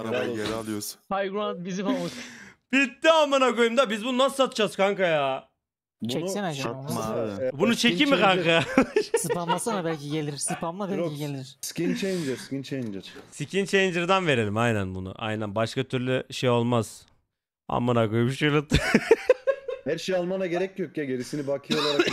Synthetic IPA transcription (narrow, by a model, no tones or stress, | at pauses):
naajeɾalˠɯjosu̥nʰajɡɾant̪bizimamub̥it̪ːiamːanakojumd̪abizbund̪ansɯ̥sat̪ɯd͡ʒaz̥kʰaŋkaja | t͡ʃʰɛnsinad͡ʒaamabunut͡ʃʰe̞kimikʰaŋkajasɯpamlˠasanabɛlʲciɟelʲiɾɾsɯpʰamlˠabɛlʲiɟelʲiɾɾscint͡ʃʰejnd͡ʒɛscint͡ʃʰejnd͡ʒɛɾsicʰint͡ʃʰend͡ʒɯɾd̪anve̞ɾe̞lʲimajnænbunʊ̰ʔa̰jnænbaʃkat̪ʰyɾlʲyʃejo̞lˠmaz̥ | a̰mːanakojbuʃɯɾlˠɯt̪ːɯ | hæɾʃejalˠmanaɟe̞ɾɛc̚ːijokjaɟeɾisinibakʰɯjolˠaɾa